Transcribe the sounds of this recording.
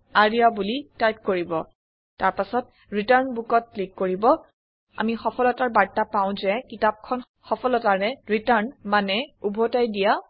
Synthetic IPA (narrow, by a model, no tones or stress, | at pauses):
aɹiabulitajt̚koɹibɔ | taɹpasɔt | ɹitaɹnbukɔt̚klikːoɹibɔ | a̰mixɔpʰɔlɔtaɹbaɹtapaw̃zɛkitap̚kʰɔn | xɔpʰɔlɔtaɹɛɹitaɹnmanɛubʱɔtajdija